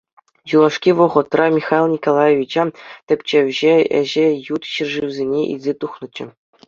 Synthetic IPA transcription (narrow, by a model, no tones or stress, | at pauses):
julˠɑʂkʲiʋɤ̆ʁɤ̆t̪rɑmʲixɑlˠnʲikolˠɑjeʋʲit͡ɕɑt̪ʲɘ̆pʲt͡ɕeʋʲʑeɘ̰̆ʑɘ̆jut̪ɕirʐiʋzʲenʲeʔḭlʲzʲet̪uχnɤ̆t͡ɕɘ̆